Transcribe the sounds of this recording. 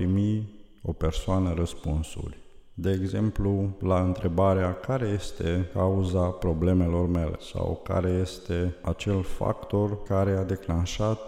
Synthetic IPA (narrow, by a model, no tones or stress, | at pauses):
pɾimi | o̞pe̞rsoanəɾəspunsṵrʲ | d̪e̞ːɡze̞mplulaɨnt̪ɾe̞baɾeakaɾe̞je̞st̪e̞kauzapɾo̞ble̞me̞lo̞rme̞lḛsa̰wka̰ɾe̞je̞st̪e̞at͡ʃe̞lfa̰kt̪o̞rkaɾe̞ad̪e̞klanʃat̪